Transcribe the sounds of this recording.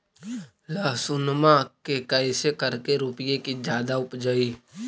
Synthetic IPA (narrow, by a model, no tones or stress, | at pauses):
laːsʊnmãkekəɪsekəɾkeɾuːpɪjekid͡ʒjaːd̪aʊpd͡ʒaiː